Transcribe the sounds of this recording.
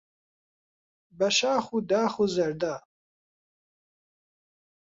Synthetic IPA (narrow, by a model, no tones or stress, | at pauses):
bɐʃaːχud̪aːχuzɐɾd̪a